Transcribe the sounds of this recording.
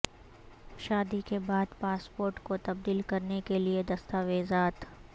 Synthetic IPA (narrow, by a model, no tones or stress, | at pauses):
ʃaːd̪ikebaːd̪paːspoːɾʈkot̪ɐb̚d̪iːlkɐɾnekelied̪ɐst̪aːʋeːzaːt̪